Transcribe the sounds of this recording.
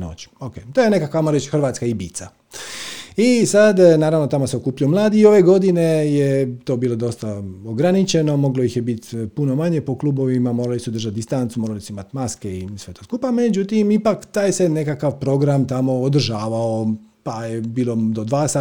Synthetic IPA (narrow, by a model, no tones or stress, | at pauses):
no̰t͡ɕi̥okeːt̪ojene̞kakamoɾet͡ɕxr̩ʋaːt̪skaibḭːt̪sa | isad̪naːɾaʋno̞t̪amoseokuːpiomlˠaːd̪iːoʋe̞ɡo̞d̪inejet̪o̞ːbiːlˠo̞d̪o̞st̪aoɡɾanit͡ɕe̞no̞mo̞ɡlojixjebit̪puno̞maɲe̞po̞kluːbo̞ʋimamoːɾalisuod̪r̩ʒat̪̚d̪ist̪ant̪sumoːɾalisuimat̪maske̞isʋe̞t̪o̞ːskupamed͡ʑut̪imipakt̪aːjse̞nekakaʋpɾo̞ɡɾamt̪amo̞ːd̪r̩ʒaːʋao | pajebiːlˠo̞d̪od̪ʋaːsa